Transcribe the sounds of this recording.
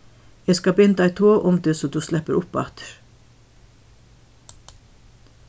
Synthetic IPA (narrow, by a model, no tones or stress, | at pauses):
ɛskɑbɪnd̪aɪt̪ʰoːʔʊmd̪ɪsɔd̪uslɛpːəɾʊpːa̰t̪ə̥ɾ̥